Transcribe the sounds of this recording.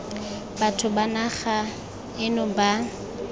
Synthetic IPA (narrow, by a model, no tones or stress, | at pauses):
batʰʊbanaχa | ɪnʊba